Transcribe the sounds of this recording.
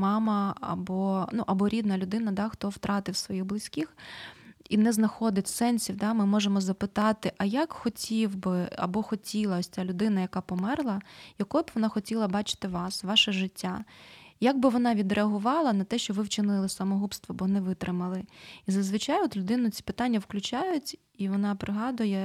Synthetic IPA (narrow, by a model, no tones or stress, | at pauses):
mɑmɐɐ̰bɔnuʔɐbɔɾʲid̪nɐlʲʊd̪ɪn̪ɐd̪ɑxt̪ɔwt̪ɾʔɑt̪ɪwsʋɔjiɣblˠɪsʲkʲix | inɛznɐxɔd̪ɪtʲsɛnʲsʲiwd̪ɑmɪmɔʒemɔzɐpɪt̪ɑt̪ɪʔɐjakxɔtʲʰiwbɪɐ̰bɔxɔtʲilˠɐɔsʲt͡sʲalʲʊd̪ɪnɐjɐkɑpɔmɛrlˠɐjɐkɔjbʋɔnɑxɔtʲilˠɐbɑt͡ʃɪ̥t̪ɪʋɑsʋɑʃɛʒɪtʲːajaɡ̚bɪʋɔnɑʋʲid̪ɾeɐɦʊʋɑlˠɐnɐt̪ɛʃt͡ʃɔʋɪwt͡ʃɪnɪlˠɪsɐmɔɦupst̪ʋɔbɔnɛʋɪt̪ɾɪmɐlˠɪizɐzʋɪt͡ʃajɔt̪lʲʊd̪ɪnʊt͡sʲi̥pɪ̥t̪anʲːɐwklʲʉt͡ʃajʊtʲ | iʋɔnɑpɾɪɦɑd̪ʊjɛ